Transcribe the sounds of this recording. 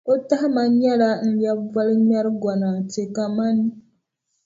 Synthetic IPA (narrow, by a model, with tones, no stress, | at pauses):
o˦ta˦hma˨ɲɛ˦la˦n̩˦lja˦va˦lɲa˦ɾɡa˨na˨te˨ka˨ma˦ni˦